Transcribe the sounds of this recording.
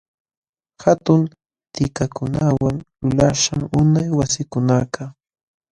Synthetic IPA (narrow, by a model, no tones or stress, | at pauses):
hat̪ʊn | t̪ɪkakʊnawaŋlʊlaʃaŋʊnajwasɪkʊnaka